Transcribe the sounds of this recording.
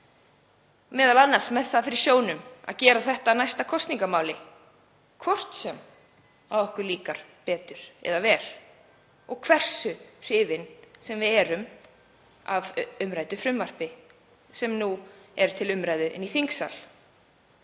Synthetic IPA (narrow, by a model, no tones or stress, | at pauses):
mɛːðalanːaɾ̥smɛðθaðfɪɾɪsjoːwnʏma̰ðcɛːɾaθɛht̪anajst̪akʰɔst̪niŋkamaːwlɪ | kʰvɔr̥t̪sɛm | awɔhkʏɾliːkaɾ̥pɛːt̪ʏɾ̥ɛ̰ðavɛɾ̥ | ɔɣkʰvɛr̥sʏr̥ɪːvɪnsɛmvɪðɛːɾʏm | avʏmɾaːjt̪ʏfɾʏmvar̥pɪ | sɛmnuɛɾ̥t̪ʰɪlʏmɾajðʏʔɪ̰niθiŋksa̰l